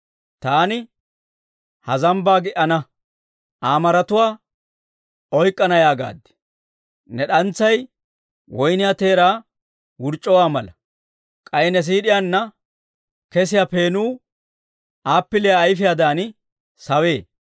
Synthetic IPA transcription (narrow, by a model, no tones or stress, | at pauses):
t̪aːnɪ | hɐzɐmbaːɡɪʔɐnɐ | ʔaːmɐɾɐt̪ʊwaː | ɔjkʼːɐnɐjaːɡa̰ːd̪ːɛ̥ | nɛɗɐnt͡sːɐj | wʔɔjnɪjat̪e̞ːɾaː | wʊɾt͡ʃʼːɔwaːmɐlɐ | kʼɐjnɛs̬iːɗɪjaːnːɐ | kɛsɪjape̞ːnuː | aːpːɪlɪjaːjfɪjad̪aːn | sɐwe̞ː